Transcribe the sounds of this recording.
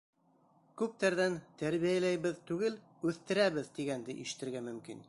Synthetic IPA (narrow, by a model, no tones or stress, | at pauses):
kʉp̚t̪æɾðænt̪æɾβijælæjβɘðt̪ʉɡɘl | ʉθt̪ɘ̆ɾæβɘðt̪iɡænd̪ɘ̰ʔḭʃɘ̥̆t̪ɘ̆ɾɡæmɵ̆mkḭn